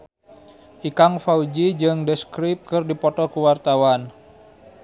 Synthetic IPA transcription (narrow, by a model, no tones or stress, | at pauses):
ʔikaŋfaud͡ʒid͡ʒɨŋdəskɾip̚kɨrdipɔt̪ɔkuwart̪awan